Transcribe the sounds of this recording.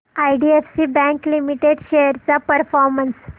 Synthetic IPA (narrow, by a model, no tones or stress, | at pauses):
ajɖiefsibɛ̃ŋklimiʈeɖɕejəɾt͡sapəɾfɔɾməns